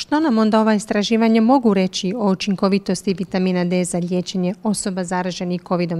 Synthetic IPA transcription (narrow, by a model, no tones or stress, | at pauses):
ʃt̪o̞namo̞nd̪ao̞ʋaist̪ɾaʒiːʋaɲemo̞ɡuɾe̞t͡ɕio̞ut͡ʃiŋko̞ʋit̪o̞st̪iʋit̪amiːnad̪ezalʎʲje̞ːt͡ɕeɲeo̞so̞bazaɾaːʒe̞nixko̞ʋid̪o̞m